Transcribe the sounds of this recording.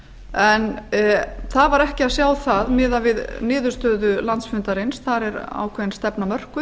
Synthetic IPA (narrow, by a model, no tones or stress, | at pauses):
ɛn | θaðvaɾɛhcɪaðsjaːwθaðmɪːðavɪðnɪːðʏ̥st̪œːðʏlant̪sfʏnt̪aɾejnsθaɾɛɾa̰ːwkʰvɛnst̪ɛpnamœr̥kʏ